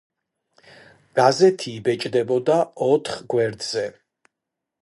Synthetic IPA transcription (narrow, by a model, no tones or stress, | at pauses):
ɡ̥azɛt̪ʰiːbɛt͡ʃʼd̪ɛbɔd̪aɔt̪ʰχɡwɛɾd̪z̥ɛ